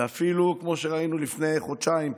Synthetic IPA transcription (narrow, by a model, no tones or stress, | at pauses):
afilukmo̞ʃeʁainulifne̞jχod̪ʃaim